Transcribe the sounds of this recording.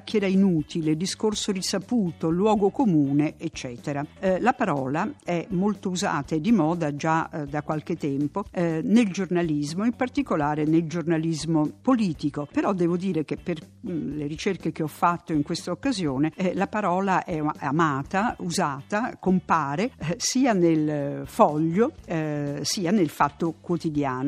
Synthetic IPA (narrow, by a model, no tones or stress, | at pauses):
kːɛɾainuːt̪ʰiled̪iskorsod̪isapuːt̪olwɔːɡokomuːneʔet͡ʃːɛːt̪eɾalapaɾɔːlaɛmːolt̪ouza̰ːt̪ad̪imɔːd̪ad͡ʒad̪akːwalk̟et̪ːɛmponeld͡ʒornalizmoimpart̪ikolaːɾeneld͡ʒornalizmopoliːt̪ikopeɾɔd̪ːɛːvod̪iːɾek̟epːerleɾit͡ʃerkek̟eɔfːat̪ːoiŋkwest̪aokːazjoːnelapaɾɔːlaʔɛa̰maːt̪auzaːt̪akompaːɾesiːanelfɔʎːo | siːanelfat̪ːokwot̪id̪jaːno